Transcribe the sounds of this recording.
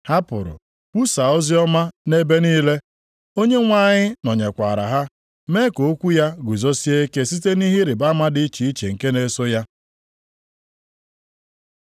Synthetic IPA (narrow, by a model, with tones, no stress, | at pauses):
ha˦pʊ̰˨ɾʊ̰˨ | kʷu˦sa˨o˦zi˦ɔ˦ma˦ne˦be˦niː˦le˦ | o˦ɲe˦ŋʷa˦˨ɲɪ˦nɔ˨ɲe˨kʷa˨ɾa̰˨ɦa˦ | me˦ko˨˦kʷu˦ja˦ɡʷu˨zo˦si˦e˦ke˦si˦te˦ni˦ɦɪ˦ɾɪ˨ba˦ma˦dɪ˦i˦t͡ʃi˨i˦t͡ʃe˨ŋ̩˨ke˦ne˦sʊ˦ja˦